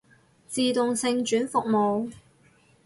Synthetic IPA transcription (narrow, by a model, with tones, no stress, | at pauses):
t͡siː˨˧t̪ʊ˨ŋsɪ˧ŋt͡ʃyː˨˥nfʊ˨k̚mo˨w